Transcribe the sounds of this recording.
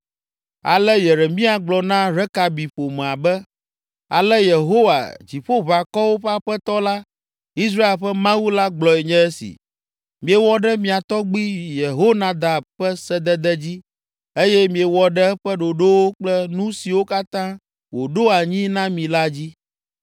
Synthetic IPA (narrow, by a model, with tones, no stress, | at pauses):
a̰˨lɛ˦jɛ˨ɾɛ˨mĩ˦a˨ɡ͡blɔ˨nã˦ɾɛ˦ka˨bi˨ɸo˨mɛ̃˨a˨bɛ˦ | a̰˨lɛ˦je˨ɦo˦wa̰˨d͡ʑi˨ɸo˦βa˨kɔ˦wo˦ɸɛ˦a˦ɸɛ˦t̪ɔ˦la˦ | i˦s̬ɾa˦e˨lɸɛ˦mã˦wu˦la˦ɡ͡blɔ˨ɛ˨ɲɛ̃˦ɛ˦sḭ˨ | mĩ˨e˨wɔ˦ɖɛ˦mĩ˨a˨t̪ɔ˦ɡ͡bi˦je˨ɦo˦nã˨d̪a˨bɸɛ˦sɛ˦d̪ɛ˦d̪ɛ˦d͡ʑi˦ | e˦jɛ˦mĩ˨e˨wɔ˨ɖɛ˦ɸɛ˦ɖo˨ɖo˦wo˦k͡plɛ˦nũ˦si˨wo˦ka˦t̪ã˦ | wo˨ɖo˦a˨ɲĩ˦nã˦mĩ˨la˦d͡ʑi˦